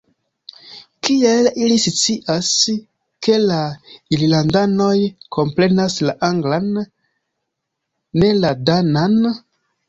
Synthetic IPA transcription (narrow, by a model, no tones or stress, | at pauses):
kielilisit͡siʔas | ke̞laillandano̞jkʰo̞mpɾe̞naslaʔaŋɡlan | e̞ladanan